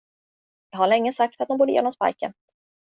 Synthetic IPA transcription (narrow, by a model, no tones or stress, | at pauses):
ɦaɭɛŋːəsak̚t̪at̪̚ɔmbuːɖ̪əjḛːnɔmspa̰ɾkə̰n